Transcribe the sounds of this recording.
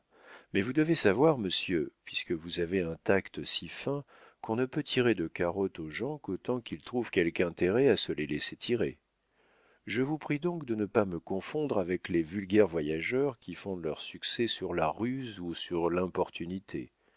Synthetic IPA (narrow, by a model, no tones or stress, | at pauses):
mɛvud̪əvesavwaʁməsjøpɥiskəvuzaveɛ̃t̪akt̪sifɛ̃ | kɔ̃nəpøt̪ʰiʁed̪əkaʁɔt̪oʒɑ̃kot̪ɑ̃kilt̪χuv̥kʲɛlkɛ̃t̪eʁɛasəleleset̪ʰiʁe | ʒəvupχid̪ɔ̃kd̪ənəpaməkɔ̃fɔ̃d̪ʁavɛklevylɡʲɛʁvwajaʒœʁkʲifɔ̃d̪lœʁsyksɛsyʁlaʁyzusyʁlɛ̃pɔʁt̪ʰynit̪ʰḛ